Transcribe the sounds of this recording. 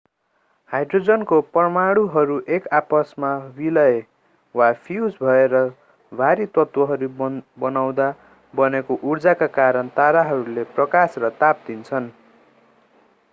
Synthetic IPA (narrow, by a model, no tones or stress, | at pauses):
hajɖrod͡zʌnkopʌrmaɽuɦʌɾuʔekapʌsmawilʌ | wapʰjud͡zbʱʌeɾʌ | bʱaɾit̪ʌt̪wʌɦʌɾubʌnaw̃d̪a | bʌnekoʔurd͡zakakaɾʌnt̪aɾaɦʌɾuleprʌkasrʌt̪ap̚d̪int͡sʰʌn